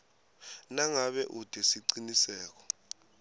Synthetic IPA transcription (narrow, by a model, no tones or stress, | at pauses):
naŋaɓɛʔud̥ʱɛsiǀinisɛːk̬ɔ̥